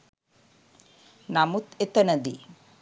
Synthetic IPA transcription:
namut̪et̪ɐnɐd̪i

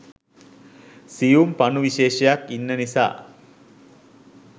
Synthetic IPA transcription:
sijumpanuʋiʃeːʃɐjakːinːənisa̰ː

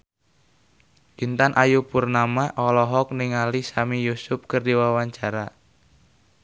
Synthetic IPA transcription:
ʔint̪anʔajupurnamaʔɔlɔɦɔk̚niŋalisamijusʊp̚kərdiwawaɲt͡ʃaɾa

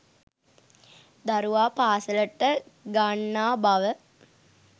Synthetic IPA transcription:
d̪aɾuʋaːpaːsələʈːəɡaɳːaːbaʋə

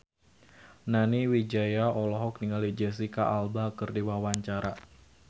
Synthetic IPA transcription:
naniwid͡ʒajaɔlɔɦɔk̚niŋalid͡ʒɛs̬ikaʔalbakɨrdiwawaɲt͡ʃaɾa

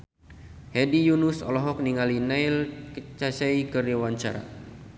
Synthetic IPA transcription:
hɛdijunusɔ̰lɔɦɔk̚niŋalinailkt͡ʃasaikəriwaɲt͡ʃaɾa̰

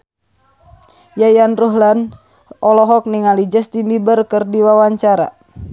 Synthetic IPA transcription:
jajanruɦlan | ʔɔlɔɦɔk̚niŋalid͡ʒəst̪imbibərkərdiwawaɲt͡ʃaɾa̰

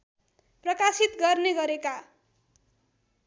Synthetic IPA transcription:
prʌkasit̪ɡʌrneɡʌɾeka

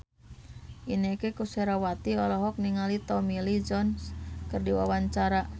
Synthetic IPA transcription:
ʔinekekuseɾawat̪iɔlɔɦɔk̚niŋalit̪ɔmilid͡ʒɔnskɨrdiwa̰waɲt͡ʃaɾa

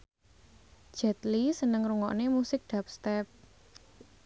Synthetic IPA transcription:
ʒ̥ɛt̪lisənəŋɾuŋɔʔnemusɪk̚d̪̥ap̚st̪ɛp̚

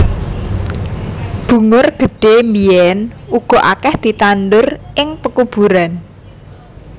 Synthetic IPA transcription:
b̥ṳŋʊrɡ̥ə̤ɖ̥emiɛnuɡ̥ɔ̤ʔa̰kɛhd̪̥i̤t̪anɖʊrʔɪŋpəkub̥ṳɾan

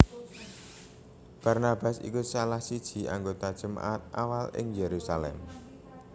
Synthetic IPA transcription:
b̥a̤rnab̥asḭkusalahsid̥ʒ̥i̤ʔa̰ŋɡot̪ad̥ʒ̥ə̤ma̰ʔat̪̚ʔa̰walɪ̰ŋjeɾusalɛ̰m

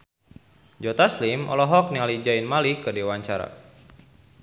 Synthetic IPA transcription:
d͡ʒɔt̪aslimʔɔ̰lɔɦɔk̚nialid͡ʒainmalikədewaɲt͡ʃaɾa̰

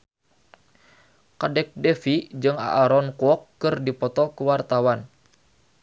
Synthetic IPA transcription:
kadɛk̚dɛfid͡ʒɨŋa̰ʔːɾɔnkɔkːɨrdipɔt̪ɔkəwart̪awan

